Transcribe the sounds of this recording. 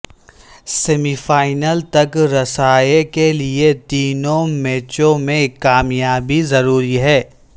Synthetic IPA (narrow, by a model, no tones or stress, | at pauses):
seːmifaːɪnəlt̪ɐkɾɐsaːekeliet̪iːnõmɛːt͡ʃõmẽkːaːmjaːbizɐɾuːɾiɦɛː